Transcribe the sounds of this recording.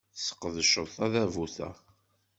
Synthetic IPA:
sə̥qːəðəʃəɾˤθɑðævuθæ̰

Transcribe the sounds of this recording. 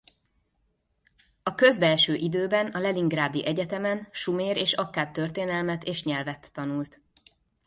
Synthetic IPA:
ɒkø̞zbɛlʃøːʔid̪øːbɛnɒlɛliŋɡraːd̪iʔɛɟɛt̪ɛmɛnʃumeːɾeːʃɒkːaːt̪ːø̞rt̪eːnɛlmɛt̪eːʃɲɛlvɛt̪ːɒnult̪

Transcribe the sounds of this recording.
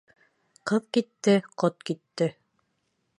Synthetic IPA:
qɤðkit̪ːɘqot̪kit̪ːɘ

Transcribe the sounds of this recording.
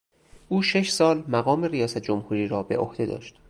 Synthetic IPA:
ʔuːʃe̞ʃsɒːlmæɣɒːme̞rijɒːsæt̪̚ʰd͡ʒomhuːɾiːɾɒːbe̞̰ʔo̰hd̪e̞d̪ɒ̰ːʃt̪

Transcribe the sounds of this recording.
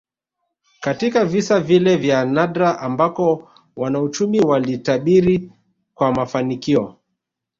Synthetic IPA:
katikavisavilɛvjanaɗɾaʔambakɔ | wanaut͡ʃumiwalitaɓiɾi | kwamafanikiɔ

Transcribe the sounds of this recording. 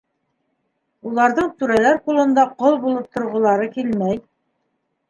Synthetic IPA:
ulˠɑɾðɤɴt̪ʉɾælæɾqulˠɤ̆nd̪ɑqolˠbulˠɤp̚t̪ŏɾʁŏlˠɑɾɤkilmæj

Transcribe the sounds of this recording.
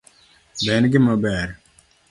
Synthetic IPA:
bɛnɡiməbɛːɾ

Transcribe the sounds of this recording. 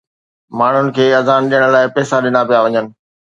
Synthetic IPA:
maːɳ̤ʊnɪ̆kʰeːɐzaːnɗijəɽ̃laːɪpɛːsaɗɪnapijaʋɐɲənɪ̆

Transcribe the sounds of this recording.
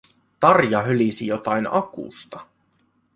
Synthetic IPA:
t̪ɑrjɑɦølisijo̞t̪ɑjnɑkṵːst̪ɑ

